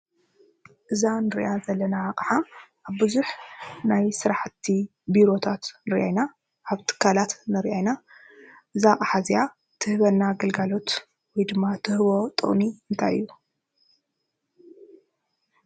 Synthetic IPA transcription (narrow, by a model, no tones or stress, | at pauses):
ʔɨzanɨɾḭʔazɐlːɐnaaqʼħaʔaβbɨzuħnajsɨɾaħt̪ʰːi | biɾo̞t̪ʰat̪nɨɾʔajna | ʔaβt̪ʰɨ̥kʰːalat̪nɨɾʔajna | ʔɨzaχʼaħazja | t̪ʰɨhβɐnːaɡɐlɡalo̞t̪ | wɔjd̪ɨmːat̪ʰɨhɨβo̞t̪ʼɨ̰χʼniɨnt̪ʰa̰jɨ̰jːu